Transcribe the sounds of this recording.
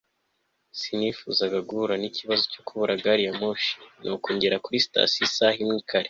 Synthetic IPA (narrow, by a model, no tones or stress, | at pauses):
sinifuzaɡaɡuɾaniciβazocokuβuɾaɡaɾijamoʃi̥nʔokoːɲɟeɾakuɾisi̥ta̰sisahimŋiːkʰaɾe